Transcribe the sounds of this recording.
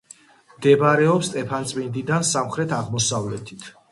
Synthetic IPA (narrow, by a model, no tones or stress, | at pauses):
md̪ɛbaɾɛɔpst̪ʼɛpʰant̪sʼmind̪id̪ansamχɾɛt̪ʰaʁmɔsavlɛt̪ʰit̪ʰ